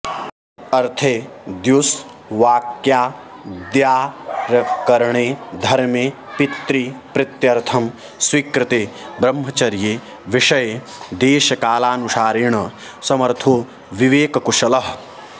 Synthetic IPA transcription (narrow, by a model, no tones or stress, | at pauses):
ɐɾt̪ʰed̪jus | ʋaːkjaː | d̪jaːɾɐkɐɾɳeːd̪ʱɐɾmjepit̪ɾipɾɪt̪jɐɾt̪ʰɐm | swiːkɾɪt̪eːbɾɐmːɦɐt͡ʃɐɾjeː | ʋiʂɐj | d̪eːʃɐkaːlaːnuʂaːɾiːɳɐ | sɐmɐɾt̪ʰoː | ʋiʋeːkɐkuʂɐlɐɦ